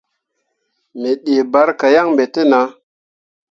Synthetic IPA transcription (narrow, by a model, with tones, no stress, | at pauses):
mi˨ɗe˨ba˨˦ɾka˨ja˦ŋmbe˨te˦na˨˦